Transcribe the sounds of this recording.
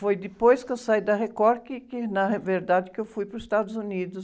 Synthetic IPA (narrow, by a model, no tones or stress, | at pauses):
fojd̪ɪpojskewsaid̪ɐɦekɔɾkɪkɪnɐveɾd̪ad͡ʒ̪ɪkɪewfujpɾʊzɪst̪ad̪ʊzunid̪ʊs